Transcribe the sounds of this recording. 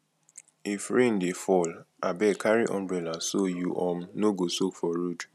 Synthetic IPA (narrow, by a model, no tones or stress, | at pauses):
ifɾen̩defɔl | abɛkʰaɹiʔɔ̰̃mbɹɛlasojuʔɔ̃mnoɡosokfɔɾud